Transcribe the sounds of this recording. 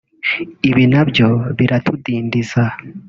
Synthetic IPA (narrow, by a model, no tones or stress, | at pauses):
iβinabjo̞βiɾatudiːndiza